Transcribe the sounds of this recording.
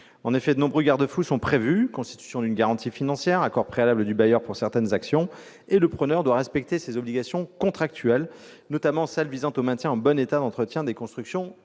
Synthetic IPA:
ɑ̃nefɛd̪ənɔ̃bʁøɡaʁd̪əfusɔ̃pχevykɔ̃st̪it̪y̥sjɔ̃d̪ynɡaʁɑ̃t̪ʰifinɑ̃sjɛʁakɔʁpχealabləd̪ybajœʁpuʁsɛʁt̪ɛnzaksjɔ̃ | eləpχənœʁd̪waʁɛspɛk̚t̪esezɔbliɡasjɔ̃kɔ̃t̪χak̚t̪ʰyɛl | nɔt̪amɑ̃sɛlvizɑ̃t̪omɛ̃t̪ʲjɛ̃ɑ̃bɔnet̪ad̪ɑ̃t̪χət̪jɛ̃d̪ekɔ̃st̪χyksjɔ̃

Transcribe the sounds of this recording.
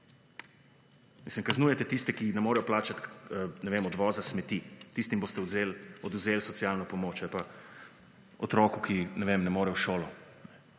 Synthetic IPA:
mislimkaznuːjɛt̪ɛt̪ist̪ɛkinɛmoːɾɛjɔplaːt͡ʃat̪nɛʋemɔd̪ʋɔːzasmɛt̪it̪ist̪imboːst̪ɛzelɔd̪uzeːlsɔt̪sjaːlnɔpɔmoːt͡ʃjalpa | ɔt̪ɾɔːkukinɛʋemnɛmoːɾɛwʃoːlɔ | nɛ

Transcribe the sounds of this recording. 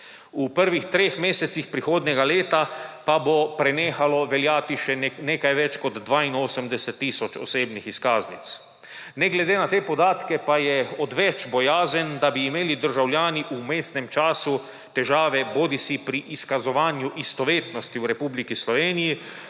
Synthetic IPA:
upəɾʋixt̪ɾeːxmeːsɛt̪sixpɾixoːd̪nʲɛɡaleːt̪apabopɾɛneːxalɔʋɛljaːt̪iʃɛneːkajʋɛt͡ʃkɔd̪d̪ʋaːinoːsəmd̪ɛsɛt̪ːiːsɔt͡ʃɔ̰seːbnixiskaːznit̪s | nɛɡlɛd̪eːnat̪eːpɔd̪aːt̪kɛpajɛɔd̪ʋɛt͡ʃbɔjaːzənd̪abiːmeːlid̪əɾʒawljaːniʔumeːst̪nɛmt͡ʃaːsu | t̪ɛʒaːʋɛboːd̪isipɾiʔiskazɔʋaːnjuʔist̪ɔʋeːt̪nɔst̪iwɾɛpublikislɔʋeːniji

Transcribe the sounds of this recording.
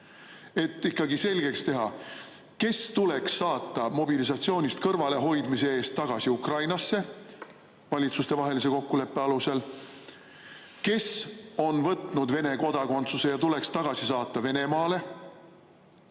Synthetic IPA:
e̞t̪ːikːˑɑɡise̞lʲɡe̞kst̪e̞ɦɑ | ke̞st̪ule̞ksːɑːt̪ːˑɑmo̞bilis̬ɑt̪sio̞ːnʲist̪̚kɤrvɑle̞ɦo̞jd̪mise̞e̞ːst̪ːɑɡ̥ɑsiukrɑjnɑsːe̞ | vɑlʲit̪sust̪e̞vɑɦe̞lis̬e̞ko̞kːule̞pːeɑluse̞l | ke̞so̞nvɤt̪ˑnud̪ve̞ne̞ko̞d̪̥ɑko̞nt̪suse̞jɑt̪ule̞kst̪ɑɡ̥ɑsisɑːt̪ˑːɑve̞ne̞mɑːle̞

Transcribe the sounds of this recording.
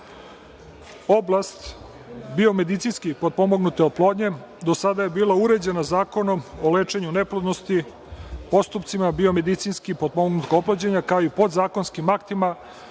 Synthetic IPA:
o̞blast̪ | bio̞me̞d̪it̪sinskipod̪̚po̞moɡnut̪eoplˠo̞d̪ɲe̞ | d̪o̞sad̪aje̞biːlˠauɾe̞d͡ʑe̞nazaːko̞no̞moleːt͡ʃeɲuneplod̪nost̪i | po̞st̪upt̪simabio̞me̞d̪it̪sinskipod̪̚pomoɡnut̪oplˠod͡ʑeɲakaoipo̞d̪zaːko̞nskimakt̪ima

